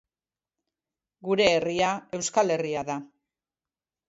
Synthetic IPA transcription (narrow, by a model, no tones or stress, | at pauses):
ɡuɾe̞ːriae̞wskale̞riaða